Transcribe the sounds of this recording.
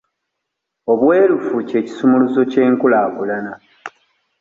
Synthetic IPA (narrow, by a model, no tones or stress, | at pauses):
o̞βwe̞ːlufuce̞ːci̥sumuluzo̞ce̞ːŋkulaːkulana